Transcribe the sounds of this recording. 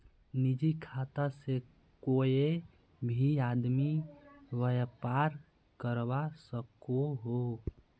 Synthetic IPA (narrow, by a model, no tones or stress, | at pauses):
nid͡ʒikʰat̪ase | koe | bʱiad̪miʋəjəpaɾ | kəɾbasəkoɦo